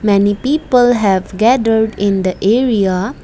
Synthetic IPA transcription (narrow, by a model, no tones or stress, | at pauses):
mɛnipiːpəlɦɛʋɡɛdəɾɖɪ̃nd̪əʔeɾia